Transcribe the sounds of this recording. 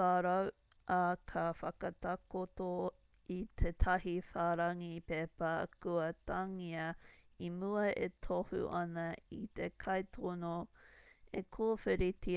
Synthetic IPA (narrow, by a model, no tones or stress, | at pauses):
aːɾɐw | ʔakʰɐfɐkɐtakoto | it̪ʰetʰɐɦifaːɾɐŋipepɐkuɐtɐŋiɐimuɐʔḛt̪ʰohṵʔɐnɐit̪ekʰɐjtʰono | ekʰoːfeɾitʰi